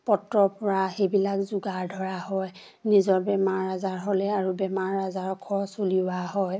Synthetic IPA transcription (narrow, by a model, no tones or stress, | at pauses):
pɔtɹɔpɔɹaxejbilakzuɡaɹdʱɔɹahɔj | nizɔɹbɛmaɹːazaɹɦɔlɛaɹubɛmaɹːazaɹɔkʰɔsoliʊwaɦɔj